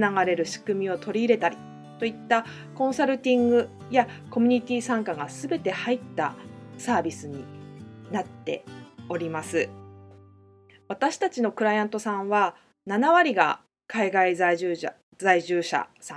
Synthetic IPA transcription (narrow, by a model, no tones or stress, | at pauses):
naɡaɾe̞ɾɯ̟ɕi̥kɯ̟mʲio̞t̪ʰo̞ɾʲiːɾe̞t̪aɾʲi | t̪o̞it̪ːa | kõ̞ɰ̃saɾɯ̟t̪ʲĩŋɡɯ̟ | jako̞m̟ʲɲ̟it̪ʲiːsãŋkaɡasɨbe̞t̪e̞hait̪ːa̰saːbʲisɨɲ̟inat̪ːe̞̰o̞ɾʲimasɨ | βat̪aɕi̥t̪at͡ɕino̞kɯ̟ɾajãnt̪o̞sãβa | nanaβaɾʲiɡa̰ | kaiɡaizaʑɨː | zaiʑɨːɕa̰sã